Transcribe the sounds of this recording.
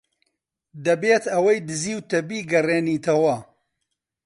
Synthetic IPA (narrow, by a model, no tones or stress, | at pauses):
d̪ɐbeːt̪ɐwɐjd̪ɨziːwt̪ɐbiːɡɐreːniːt̪ʰɐwɐ